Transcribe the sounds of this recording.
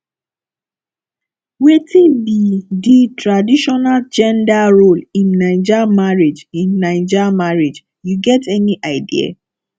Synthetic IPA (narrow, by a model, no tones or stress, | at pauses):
wetĩbiditɹadiʃɔnald͡ʒɛ̃ndaɹolĩnːãɪd͡ʒamaɹid͡ʒĩnːãɪd͡ʒamaɹid͡ʒ | juɡɛtɛniʔaɪdia̰